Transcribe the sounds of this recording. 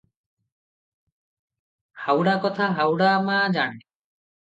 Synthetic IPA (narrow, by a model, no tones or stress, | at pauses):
hawɽakɔt̪ʰaɦawɽamad͡ʒaɳ̃e